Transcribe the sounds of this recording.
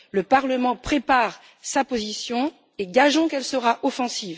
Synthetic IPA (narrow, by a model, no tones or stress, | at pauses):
ləpaʁləmɑ̃pχepaʁ | sapozisjɔ̃ | eɡaʒɔ̃kɛlsəʁaʔɔfɑ̃siːv